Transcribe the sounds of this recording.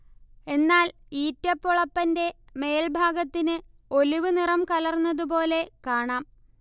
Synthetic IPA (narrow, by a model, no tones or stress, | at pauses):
e̞nːaːliːtːɐpːoɭɐpːɐnde̞ | me̞ːlbʱaːɡɐt̪ːinɨ | o̞liʋɨnirɐmkɐlɐrnːɐðup̬o̞ːle̞kaːɳaːm